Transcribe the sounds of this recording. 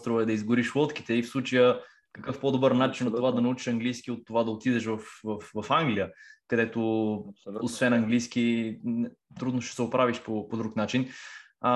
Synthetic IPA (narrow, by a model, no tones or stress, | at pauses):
t̪ɾovəɛd̪ɐizɡʊɾiʃvˠɔt̪ki̥t̪ɛifslˠut͡ʃəjə | kəkɤfpod̪obəɾnat͡ʃint̪ovad̪ɐnɐut͡ʃi̥ʃɐŋɡlijskʲiot̪ːovad̪ɐot̪id̪ɛʃ̬vɐfvɐfvɐfaŋɡlʲijəkɐd̪ɛt̪o | osvɛnɐŋɡlijsk̟i | t̪ɾud̪noʃt̪ɛ̥sɛʊpɾaviʃpopod̪ɾuknat͡ʃin